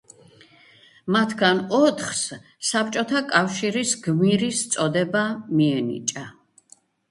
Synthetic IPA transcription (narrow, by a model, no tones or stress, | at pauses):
mat̪ʰɡanɔt̪ʰχs | sap̚t͡ʃʼɔt̪ʰakʼafʃiɾisɡmiɾist̪sʼɔd̪ɛbamiɛnḭt͡ʃʼa